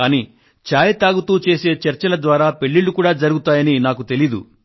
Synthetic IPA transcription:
aːniː | t͡ʃaːjɐt̪aːɡut̪uːt͡ʃe̞ːse̞ːt͡ʃɐɾt͡ʃɐlɐd̪ʋaːɾaːpe̞ɭːilːukuːɽaːd͡ʒɐɾuɡut̪aːjɐninaːkut̪e̞lid̪ṵ

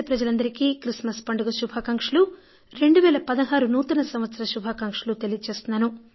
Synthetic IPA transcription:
ɐpɾɐd͡ʒɐlɐnd̪ɐɾikiːkɾismɐspɐɳɖuɡɐʃubʱaːkɐŋkʂɐlu | ɾe̞ɳɖuʋɛːlɐpɐd̪ɐɦaːɾunuːt̪ɐnɐsɐmʋɐt̪sɐɾɐʃubʱaːkɐŋkʂɐlut̪elijɐd̪ut͡ʃeːst̪unːaːnu

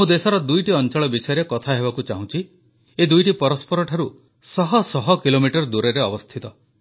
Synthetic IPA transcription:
mũd̪esɔɾɔd̪ujʈiɔnt͡ʃɔɭɔbisɔjɔɾekɔt̪ʰaɦebakut͡ʃaɦũt͡ʃʰi | ed̪ujʈipɔɾɔspɔɾɔʈʰaɾu | sɔɦɔsɔɦɔkilomiʈɔɾd̪uɾeɾeɔbɔst̪ʰit̪ɔ

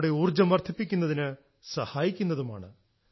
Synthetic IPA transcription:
ɽeuːrd͡ʑɐmʋɐrt̪ʰipːikʲːunːɐðinɨ | sɐhaːjikʲːunːɐðuma̰ːɳɨ

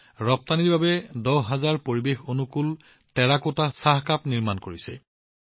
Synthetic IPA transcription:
ɹɔp̚taniɹbabɛdɔɦazaɹpoɹibexonukul | tɛɹakotasaɦkapniɹmankoɹisɛ

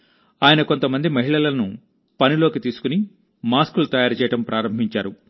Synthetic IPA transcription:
aːjɐnɐko̞nt̪ɐmɐnd̪imɐɦiɭɐlɐnu | pɐnilo̞ːkit̪iːsu̥kuni | maːskulut̪ɐjaːɾt͡ʃɛːjɐʈɐmpɾʔaːɾɐmbʱiɲt͡ʃaːɾu

